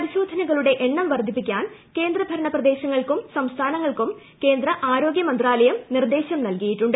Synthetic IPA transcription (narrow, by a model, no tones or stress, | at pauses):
ɐɾiɕo̞ːd̪ʱɐnɐɣɐɭuɽe̞ʔeɳːɐmʋɐrd̪ʱipːikʲːaːnke̞ːnd̪rɐbʱɐɾɐɳɐprɐd̪e̞ːɕɐŋːɐɭkumsɐmst̪ʰaːnɐŋːɐɭkum | ke̞ːnd̪rɐʔaːɾo̞ːɡjɐmɐnd̪raːlɐjɐmnird̪e̞ːɕɐmnɐlkɐjiʈːuɳɖɨ